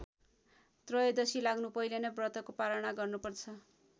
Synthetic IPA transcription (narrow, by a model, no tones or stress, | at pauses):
t̪rʌjʌd̪ʌsilaɡnupʌjlenʌbrʌt̪ʌkopaɾʌɽ̃aɡʌrnupʌrt͡sʰʌ